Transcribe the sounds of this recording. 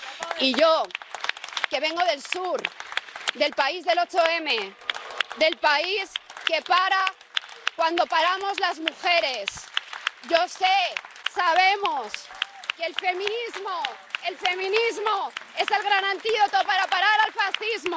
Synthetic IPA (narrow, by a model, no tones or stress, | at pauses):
iʝo̞ | ke̞β̞e̞ŋɡo̞ðe̞lsuɾ | ðe̞lpaizðe̞lo̞t͡ʃoe̞me̞ | ðe̞lpaiske̞paɾa | kwand̪o̞paɾamo̞zlazmuxe̞ɾe̞sʝo̞sesaβ̞e̞mo̞skelfe̞mĩnizmo | e̞lfe̞mĩnizmoe̞se̞lɣɾanãnt̪iðo̞t̪opaɾapaɾaɾalfasθizmo